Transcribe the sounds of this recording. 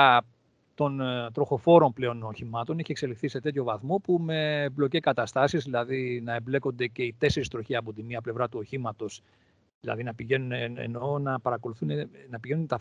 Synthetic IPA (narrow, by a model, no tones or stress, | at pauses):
t̪o̞nt̪ɾo̞xo̞fo̞ɾo̞mple̞o̞noçimɐt̪oniçie̞kse̞lixθise̞t̪e̞t̪ço̞vɐθmo̞pume̞blo̞cekɐt̪ɐst̪ɐsizðilɐðinɐemble̞ko̞nd̪e̞ce̞it̪e̞se̞ɾist̪ɾo̞çiɐpo̞t̪imiɐple̞vɾɐt̪uo̞çimɐt̪o̞s | ðilɐ̰ðinɐpiʝe̞nuneḛno̞nɐpɐɾɐko̞luθunenɐpiʝe̞nunt̪ɐ